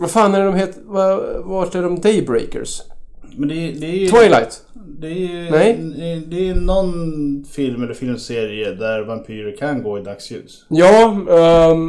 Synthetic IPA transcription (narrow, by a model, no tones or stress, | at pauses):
vafaːnæɖɔmɦeːt̪vavaʈæɖɔmd̪ɛjbɾɛ̰jkə̰ɾsmɛnd̪ɛd̪ɛwajla̰jt̪ | d̪ɛnɛj̪ɛd̪ɛːnɔnfɪlmɛlːəɾfɪlmseːɾɪəd̪æɾvampʰyːɾəkʰanɡoːɪd̪akshʉ̟̰ːs | jɑː